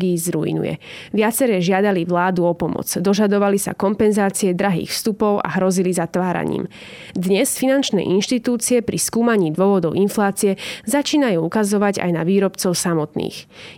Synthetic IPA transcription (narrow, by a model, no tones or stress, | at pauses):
ɡiːzɾuḭnṵjɛ̰ʋɪat͡sɛɾɛːʒɪad̪aliʋlaːd̪uɔpɔmɔ̰t͡sd̪ɔʒad̪ɔʋalisa̰kɔmpɛnzaːt͡siɛd̪ɾaɦḭːxfst̪upɔʊʔa̰ɦɾɔzilizat̪ʋaːɾa̰ɲḭːm | d̪ɲɛsfinant͡ʃnɛ̰ʔinʃt̪it̪uːt͡siɛpɾiskuːmaɲiːd̪ʊɔʋɔd̪ɔʊinflaːt͡siɛzat͡ʃiːnajuːukazɔʋaɟa̰jnaʋiːɾɔpt͡sɔʊsamɔt̪nḭːx